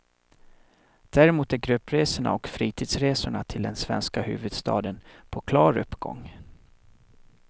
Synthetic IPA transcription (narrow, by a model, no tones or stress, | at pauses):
d̪̥æɾɛmuːt̪æɾɡɾɵpːɾeːsʊɳa̰ɔkfɾiːt̪ʰiːd̪sɾeːsʊɳat̪ʰɪld̪ɛnsvɛ̰nskahʉ̟̰ːvɵd̪st̪ɑ̰ːd̪ənpʰɔkʰlɑːɾɵpːɡɔ̰ŋ